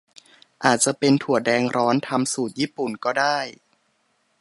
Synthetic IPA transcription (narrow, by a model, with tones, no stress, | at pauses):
ʔaː˨˩t̪̚t͡ɕa˨˩ʔpe˧nt̪ʰu˨˩ədɛː˧ŋɾɔː˦˥nt̪ʰa˧msuː˨˩t̪̚jiː˥˩pu˨˩nkɔː˥˩daː˥˩j